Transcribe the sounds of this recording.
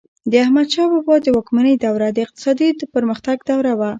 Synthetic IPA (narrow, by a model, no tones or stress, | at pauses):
d̪əahmad̪ʃɑbɑbɑd̪əwɑkmanəjd̪awɾad̪əɪq̚t̪ɪ̥sɑd̪id̪əpəɾməxt̪aɡd̪awɾawa